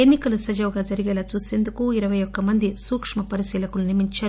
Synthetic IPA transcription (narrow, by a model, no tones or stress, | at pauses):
enːikɐlɐsɐd͡ʒɐwɡaːd͡ʒɐɾiɡɛːlaːt͡ʃuːse̞ːnd̪ukuiɾɐʋɐjɔkːɐmɐnd̪isuːkʂmɐpɐɾisiːlɐkulunimiɲt͡ʃaː